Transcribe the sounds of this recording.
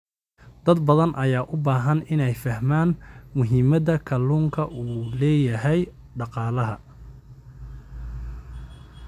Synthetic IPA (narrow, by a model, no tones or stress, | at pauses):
d̪̥ɐd̪bɐðɐnʔɐjaːʔʊbaːɦɐnɪnɛjfɐhmaːnmʊɦɪmɐðɐkʰɐluːŋkʰɐʔuːlɛːjɐɦɛj | ɖɑqɑːlɐɦɐ